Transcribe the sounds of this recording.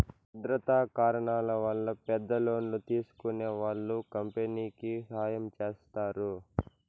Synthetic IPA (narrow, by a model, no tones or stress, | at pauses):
ud̪ɾɐt̪aːkaːɾɐɳaːlɐʋɐlːɐpɛd̪ːɐloːnlut̪iːsu̥kuneːʋaːɭːukɐmpeniːkisaːjɐmt͡ʃe̞ːst̪aːɾu